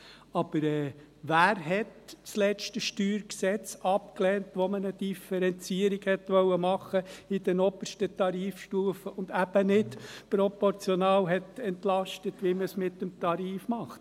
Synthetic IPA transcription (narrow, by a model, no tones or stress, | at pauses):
ɑb̥əɾɛː | ʋæːɾɦɛtt͡slɛt͡ʃtəʃtyːɾksɛt͡sɑpklɛːntʋɔmənəd̥̪ifɛɾɛnt͡siəɾiɡ̥hɛtʋœwəmɑχəidɛnɔbərʃtətɑɾiːfʃtuːəfəʊnd̪æb̥ənɪtpɾɔpɔɾt͡sjɔnɑːlɦɛtɛnt̪lɑʃtətʋiməsmɪtːəmt̪ɑɾiːfmɑχt